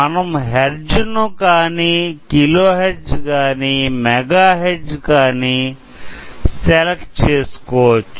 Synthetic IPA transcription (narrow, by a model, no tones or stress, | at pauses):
ɐnɐmɦeɾd͡ʒunukaːniːkiloːɦeɾd͡ʒkaːniːmɛɡaːɦeɾd͡ʒkaːni | sɛleʈt͡ʃeːsu̥kɔːʋɐt͡ʃːu